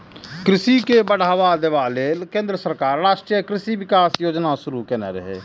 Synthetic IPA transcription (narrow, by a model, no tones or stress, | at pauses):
kɾɪsikebəɽ̤aːʋad̪eʋaleːlkẽːnd̪ɾəsəɾkaːɾːaːʃʈɾijəkɾɪsiʋɪkaːsjoːd͡ʒnaʃʊɾukenɛɾə̰ɦḛː